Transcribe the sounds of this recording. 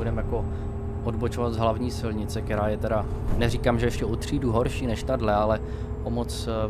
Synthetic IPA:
udɛmjako̞ | ʔodbot͡ʃovat̪zɦlavɲiːsɪlɲɪt͡sɛk̚t̪ɛɾaːjɛt̪ɛɾa | nɛrikaːmʒɛjɛʃcɛot̪r̝̥iːduɦo̞ɾʃiːnɛʃt̪adlɛalɛ | ʔomot͡s

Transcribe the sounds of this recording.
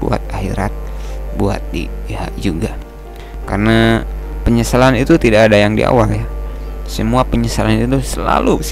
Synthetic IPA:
bṵa̰t̪̚ahḭɾa̰t̪̚bua̰t̪̚dḭpiha̰ʔd͡ʒuɡa | karənapəɲəsalanit̪ut̪idakːdajaŋdḭa̰waljasəmuapəɲəsalanit̪usəla̰lu

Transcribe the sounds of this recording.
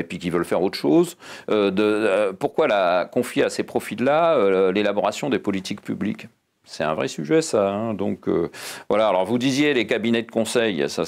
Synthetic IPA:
epɥikʲivœlfɛʁot̪χə̥ʃozød̪əpuʁkwalakɔ̃fjeasepχɔfilːaølelabɔʁasjɔ̃d̪epɔlit̪ikpyblḭk | sɛt̪ɛ̃vʁɛsyʒɛsaɛ̃d̪ɔ̰̃kø̰vwalaːlɔʁvud̪izjelekabinɛd̪əkɔ̃sɛjsa

